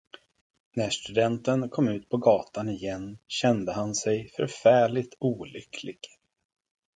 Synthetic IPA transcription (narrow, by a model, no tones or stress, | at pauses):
næʂt̪ɵd̪ɛnt̪ənkʰɔmːʉ̟ːt̪̚pʰɔɡɑːt̪anɪjɛnːɕɛnd̪əɦansɛjfœ̰ɾfæːɭɪt̪ʰuːlʏkʰlɪɡ̥